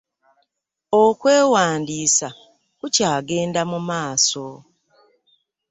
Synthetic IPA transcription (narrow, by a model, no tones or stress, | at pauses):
okwe̞ːwaːndiːsa | kucaːɡe̞ːndamumaːso